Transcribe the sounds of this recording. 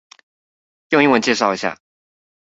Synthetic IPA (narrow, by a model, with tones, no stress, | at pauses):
jŋi˥˩wə˧˥nt͡ɕjɛ˥˧ʂɑ˥˩ʊi˧˥ɕja̰˥˩